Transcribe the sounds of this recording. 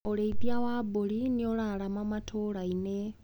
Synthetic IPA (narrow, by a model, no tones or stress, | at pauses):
oɾeiðjawaboliniolalamamatʰoːɾaine